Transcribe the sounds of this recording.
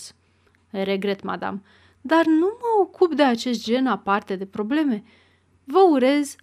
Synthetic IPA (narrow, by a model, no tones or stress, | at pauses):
s | ɾe̞ɡɾe̞t̪ma̰d̪a̰m | d̪arnuməo̞kʰupd̪e̞at͡ʃe̞st̪̚d͡ʒe̞napart̪e̞d̪e̞pɾo̞ble̞me̞ | vəuɾe̞z